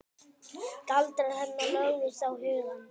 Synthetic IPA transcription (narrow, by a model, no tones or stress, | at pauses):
t̪alt̪ɾaðhɛnːalœɣðɪsawhʏːðan